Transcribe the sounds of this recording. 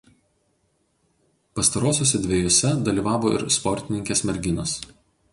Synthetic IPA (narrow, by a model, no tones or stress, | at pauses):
pɐst̪ɐɾoːsʲoːsʲɛd̪ʲʋʲeːjoːsʲɛd̪ɐlʲiːˑʋɑːʋoːɪ̰ɾspɔɾʲt̪ʲɪnʲɪŋʲkʲeːsmʲɛɾʲɡʲɪnos